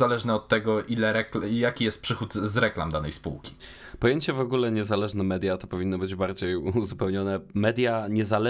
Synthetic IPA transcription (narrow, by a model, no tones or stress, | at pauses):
alɛʐnɛɔt̪ːɛɡɔʔilɛɾɛkljakʲijɛst̪pʂɘxut̪zɾɛkla̰md̪anɛjspṵwkʲi̥ | pɔjeɲt͡ɕɛvɔɡulɛɲɛzalɛʐnɛmɛd̪ʲjat̪ɔpɔvʲinːɔbɘd͡ʑbaɾd͡ʑejuzupɛwɲɔnɛmɛd̪ʲjaɲɛzalɛ